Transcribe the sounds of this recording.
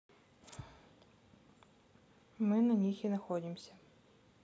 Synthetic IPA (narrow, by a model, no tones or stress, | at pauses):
mɨnɐnʲixinɐxodʲɪmsʲə